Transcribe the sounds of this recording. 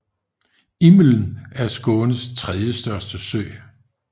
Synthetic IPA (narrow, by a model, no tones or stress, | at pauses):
imln̩æɐsɡ̥ɔ̽ːnəst͡sʰʁɛðˠjəsd̥ɶɐsd̥əsøɪ